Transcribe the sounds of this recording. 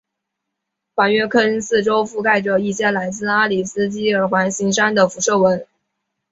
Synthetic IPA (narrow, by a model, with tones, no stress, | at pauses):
fwa˨˩nɥɛ˥˧kʰə˥nsɹ̩˥˩ʈ͡ʂo˥ʊfu˥˧ka˥˩ɪʈ͡ʂə˩i˥˧t͡ɕjɛ˥˩nla˧˥ɪt͡sɹ̩˥˧a˥li˨˩s̩˥t͡ɕi˥ə˞˨˩˥xwa˧˥nɕi˧˥ŋʂa˥nd̪ə˨fu˧˥ʂɤ˥˩wə˧˥n